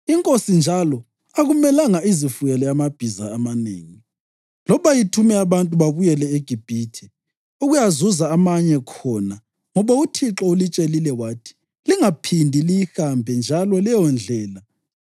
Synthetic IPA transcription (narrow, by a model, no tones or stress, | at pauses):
iŋkʼosind͡ʒʱalɔ | aɣumɛlaŋaizifujɛlɛamab̥ʱiza̰ːmanḛːŋi | lɔβajitʰumɛaβantʼuβaβujɛlɛeɡ̥ʱib̥ʱitʰi | uɣujazuzaːmaɲɛkʰɔna | ŋɔβautʰiǁɔulit͡ʃʼelilɛwaːtʰi̥ | liŋapʰindʱilijihambʱɛnd͡ʒʱalɔlɛjɔnd͡ɮʱɛːla